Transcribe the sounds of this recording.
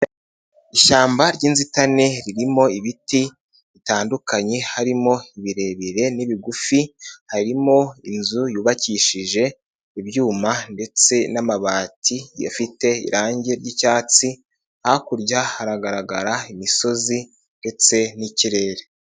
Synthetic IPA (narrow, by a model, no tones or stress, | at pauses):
iʃaːmbaɾɟiːnzitane̞ɾiɾimo̞iβiti | βitaːndukaɲe̞haɾimo̞iβiɾe̞βiɾe̞niβiɡufihaɾimo̞inzujuːβaciʃiʒe̞ | iβjuːmande̞t͡se̞namaβaːtʰija̰fite̞ḭɾaːɲɟe̞ɾɟicaːt͡si | akuɾɟahaɾaɡaɾaɡaɾaimiso̞zi | nde̞t͡se̞niciɾe̞ːɾe